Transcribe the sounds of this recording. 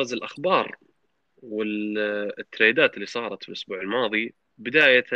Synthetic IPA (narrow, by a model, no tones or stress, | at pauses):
azɪlʔaxbɑːɾˤ | wɪ | t̪ːɾeːd̪aːt̪ɪlːisˤɑːɾˤɑt̪fɪlʔʊsbuːʕɪlmɑːðˤi | bɪd̪aːja